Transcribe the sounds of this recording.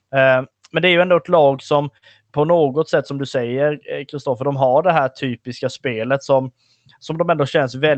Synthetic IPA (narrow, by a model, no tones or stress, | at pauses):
mɛnd̪ɛæɾjɵɛnd̪oɛt̪lɑːɡsɔm | pʰɔnoːɡɔt̪sɛt̪ːsɔmd̪ɵsɛjːəɾkʰɾɪst̪ɔfːəɖɔmɦaɖɛɦæːʈʰyːpɪskaspeːlət̪sɔm | sɔmd̪ɔmɛnd̪oːɕɛnsvɛl